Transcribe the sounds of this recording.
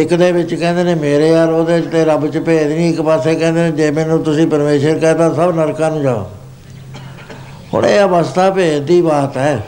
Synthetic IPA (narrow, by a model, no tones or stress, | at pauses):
ɪkd̪eːbɪt͡ʃkɛ̃ːnd̪eːnẽːmeːɾeːaːɾoːd̪eːɪt͡ʃt̪eːɾəbt͡ʃəpeːd̪nĩːɪkpaːseːkɛ̃ːnd̪eːnẽːd͡ʒeːmɛ̃ːnũːt̪ʊsĩːpəɾmeːʃəɾkɛːt̪ãːsəbnəɾkãːnũːd͡ʒaːo̰ː | ɦʊ̰ɳ̃ḛːəbəst̪aːpeːd͡ʒd̪iːbaːt̪ɛː